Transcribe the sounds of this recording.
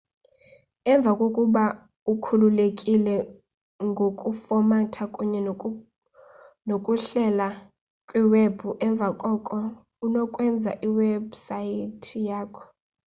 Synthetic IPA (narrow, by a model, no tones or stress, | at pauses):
ɛɱb̪vʱakʼokʼuɓa | ukʰululekʼilɛ | ŋɡʱokʼufɔmatʰakʼuɲɛ | nokʼuɬɛla | kʼwiweb̥ʱuʔɛɱb̪vʱakʼɔkʼɔ | unɔkʼwɛnd͡zʱa̰ʔiwɛbsajitʰijaːkʰɔ̥